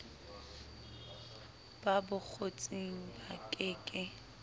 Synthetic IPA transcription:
b̥abʊk͡xʰot͡sʼiŋ̩bakʼɪːkʼɪ

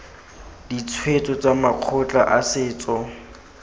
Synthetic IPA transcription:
dit͡sʰwet͡sʼɔt͡samaq͡χʰʊt͡ɬʼa̰ʔasɪːt͡sʼɔ

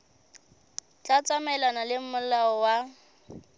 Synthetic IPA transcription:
t͡ɬʼat͡sʼamɛlanalɪm̩mʊlaɔwa

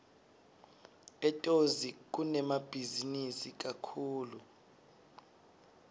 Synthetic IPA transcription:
ɛtʼozik̬unɛmab̥ʱizinisik̬akʰuːlu

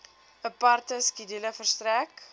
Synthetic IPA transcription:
əpɐrtəskidiləfərstræk

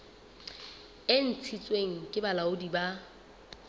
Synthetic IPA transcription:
ɪn̩t͡sʰit͡sʼweŋ̩kʼɪbalaʊdiba

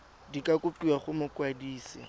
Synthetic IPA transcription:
dikʼakʼʊpʼiaχʊmʊkwadiːsɪ

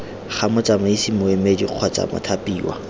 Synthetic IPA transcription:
χamʊt͡sʼamʊisimʊɪmediq͡χʰɔt͡sʼa̰mʊ̰tʰapiːwa̰

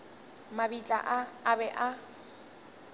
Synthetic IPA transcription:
mabit͡ɬʼa̰ʔaːbɛʔa

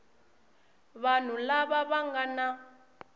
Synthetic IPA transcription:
βan̤ulaβaβaŋɡana

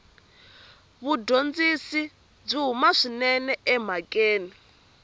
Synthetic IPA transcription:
βudond͡zisi | b͡ʐiɦumaʂinɛnɛʔɛm̤akʼeːni

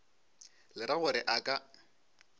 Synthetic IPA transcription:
lɪɾaɣʊɾɪʔakʼa

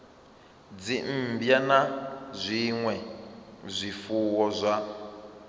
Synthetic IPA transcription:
d͡zim̩bjanazʷiŋwɛzʷifuwɔzʷa

